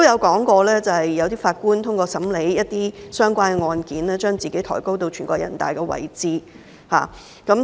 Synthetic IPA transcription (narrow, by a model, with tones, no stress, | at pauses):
o˥jɐ˨˧wkɔː˨˥ŋkɔː˧lɛː˥t͡sɐ˨˩hɐ˨jjɐ˨˧wt̪iː˥faː˧t̚kuː˥nt̪ʰʊ˥ŋkʷɔː˧sɐ˨˥mle˨˥jjɐ˥t̚t̪iː˥sœː˥ŋkʷaː˥nkɛ˨˧ŋɔː˧nkiː˨˥nlɛː˥t͡ʃœː˥ŋt͡siː˨ke˨˥jt̪ʰɔ̰ː˨˩jko˥wt̪o˧wt͡ʃʰyː˨˩kɔː˧kjɐ̰˨˩nt̪a̰ː˨jkɛː˧wɐ̰˨˩jt͡siː˧ | ha̰ː˨ | kɐ˨˥m